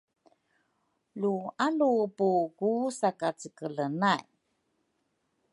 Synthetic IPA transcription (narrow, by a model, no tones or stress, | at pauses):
lualupuɡusakat͡səkələnaj